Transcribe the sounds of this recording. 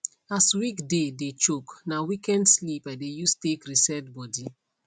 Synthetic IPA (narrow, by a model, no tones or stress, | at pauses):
aswikdedet͡ʃoknawikɛ̃ndslipadejustekɾisɛdbɔdi